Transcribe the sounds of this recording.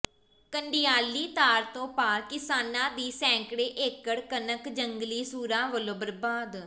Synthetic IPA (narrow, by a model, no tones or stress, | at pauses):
kəɳɖɪjaːliːt̪aːɾt̪õːpaːɾkɪsaːnãːd̪iːsɛ̃ːŋkɽeːʔekːəɽkənəkd͡ʒəŋɡliːsuːɾãːʋəlõːbəɾbaːd̪